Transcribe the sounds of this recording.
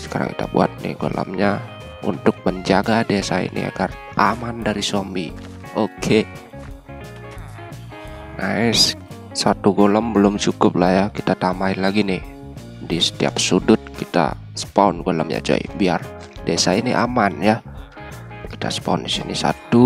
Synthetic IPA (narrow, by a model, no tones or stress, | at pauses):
sə̥kaɾa̰ŋkit̪a̰bua̰t̪̚nɪ̰hɡolʔə̰mɲa | ṵnt̪ʊk̚məɲd͡ʒaɡadesaḭnʔḭa̰ɡar | ʔamandaɾisombi | okʰe | naɪs | sat̪uɡoləmbəlʊmt͡ʃukʊp̚lahjakit̪at̪amaɪnlaɡinɪh | disə̥t̪ia̰p̚sudʊt̪̚kit̪a̰ | sə̥paʊnɡoləmɲa̰d͡ʒa̰ḭbiar | desainiʔa̰manja | ki̥t̪asə̥paʊndisinisa̰t̪u